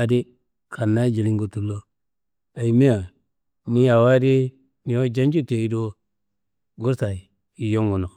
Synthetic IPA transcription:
a˨di˦ | kʰa˨nːa˦d͡ʒi˨li˦ŋɡo˨tu˨lo˦ | a˨i˨me˦a˨ | ni˦ja˨wa˦di˦ | ni˨o˦d͡ʒa˦nd͡ʒu˦te˨i˦do˦ | ɡu˦ɾsa˨i˨ | i˨jo˦ŋɡu˨no˨

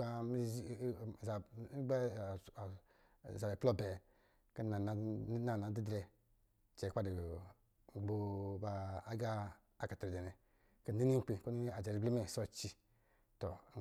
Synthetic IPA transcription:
a˦mi˦˨za˨˦ɡ͡ba˦˨ | za˨bɛ˨plɔ˦˨bɛ˨ | kə˦na˨na˨˦na˨na˨˦i˦dɾɛ˧ | t͡ʃɛ˨ka˦di˨ | ɡ͡bo˨ba˨a˦ɡa˦ | a˦ka˨ti˨dɛ˨nɛ˨ | kə˦ni˦ni˦k͡pe˨ko˦ni˦a˨d͡ʒɛ˨ɾi˦bli˦mɛ˦˨sɔ˦t͡ʃi˧ | tɔ˨

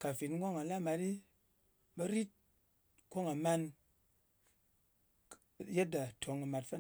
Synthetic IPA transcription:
ka˨fi˨t̩˦ɡo˦ŋa˨la˦ma˨ti˦ | bɐ˧ɾi˦t̚ | ko˦ŋa˨ma˧n˨ | je˦t̚da˨tʰo˨ŋa˨ma˨tfa˦

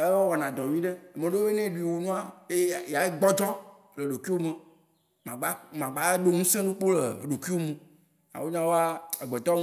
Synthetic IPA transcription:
e˦wɔ˦wɔ˨nã˨d̪ɔ˨vĩ˦ɖe˦˨mẽ˨ɖo˦e˦nẽ˦ɖu˨i˨wo˨nũ˦a˦e˦˨ja˨˦ɡ͡bɔ˦d͡ʒɔ˦ | le˨ɖo˨ki˦o˦nũ˦a˦ | mã˨ɡ͡ba˦mã˨ɡ͡ba˨˦ɖo˦ŋũ˦sẽ˦nũ˦k͡po˦le˨ɖo˨ki˦wo˦mũ˦ | ã̰˨wo˦ɲã˦wo˦a˦e˨ɡ͡be˨t̪ɔ˦ŋ

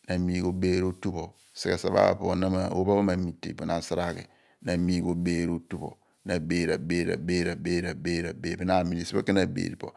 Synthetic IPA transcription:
na˨mi˦ɡo˨beː˦ɾo˦tu˦bo˨ | si˨e˨sa˨ba̰˦˨po˨o˨na˦ma˨o̰˦ba˦ba˦ma˨mi˨tḛ˨po˨na˨n˦sa˦ɾa˦˨kḛ˨ | na˨mi˦ɡo˨beː˦ɾo˦tu˦bo̰˨ | na˨beː˦ɾa̰˨beː˦ɾa̰˨beː˦ɾa˨beː˦ɾa˨be˦ɾa˨be˨˦˨bi˦na˨mi˨li˨si˦o˦ki˦na˨bḛː˨ɾi˨po̰˨

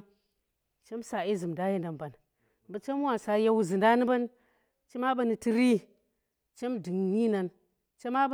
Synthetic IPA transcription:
t͡ʃe˦msa˨i˦zɨ˨mda˦ji˦nda˨mba˨n˨ | bə˦t͡ʃe˦m˦wa˨sa˨ja˦wu˦zɨ˨nda˦nɨ˦ba˦n | t͡ʃi˦ma˦ba˦ni˨ti˦ɾi˦ | t͡ʃe˦mdɨ˨ŋɲi˦na˨n | t͡ʃe˦ma˦b

